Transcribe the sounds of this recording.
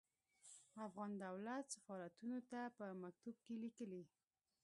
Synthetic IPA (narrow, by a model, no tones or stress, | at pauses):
afɣɑnd̪awlat̪safɑɾat̪unot̪apəmak̚t̪ub̚kelikəli